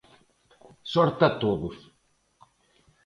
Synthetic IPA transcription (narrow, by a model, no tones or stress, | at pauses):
sɔɾt̪at̪oðʊs